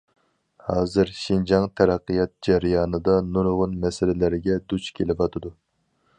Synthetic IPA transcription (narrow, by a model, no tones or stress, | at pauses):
hɑːzɨɾʃind͡ʒɑŋt̪ʰɛɾɑqːijɑt̪̚d͡ʒæɾɪjɑːnɨd̪ɑnuɾʊʁʊnmɛsɪlɪlɪɾɪɡʲɛd̪ut͡ʃkʲʰelɪvɑt̪ʰɨd̪u